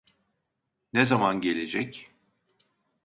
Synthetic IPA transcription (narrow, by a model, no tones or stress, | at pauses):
nezamanɟe̞lʲed͡ʒɛc